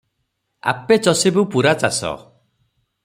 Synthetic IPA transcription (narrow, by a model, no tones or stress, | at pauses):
a̰pet͡ʃɔsebupuɾat͡ʃasɔ̰